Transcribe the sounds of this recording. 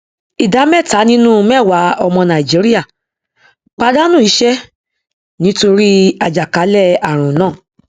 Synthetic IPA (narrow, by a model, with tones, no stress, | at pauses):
i˨da˨˦mɛ˦˨ta˨˦nĩ˦nũ˦mɛ˦˨wa˨˦ɔ˧mɔ̃˧nã˨i˨d͡ʒi˨˦ɾi˦ja˦˨ | k͡pa˧da˦nũ˦˨i˨˦ʃɛ˦ | nĩ˦to˧ɾi˦a˧d͡ʒa˨ka˨˦lɛ˦˨a˨ɾ̃ũ˨nãː˦˨